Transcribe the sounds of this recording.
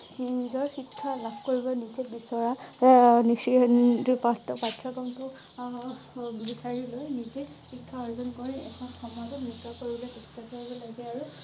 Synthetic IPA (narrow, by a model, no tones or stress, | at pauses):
inzɔɹxikʰːalabʱkoɹibɔnisɛbisɔɹa | nisitupatpatʰɹɔkɔmtʊ | ɡdisʰaɹilojnize | xikʰːaɔɹzɔnkoɹiɛkʰɔnxɔmazɔtmikːakoɹibɔlejtɛktakoɹibɔlaɡɛaɹu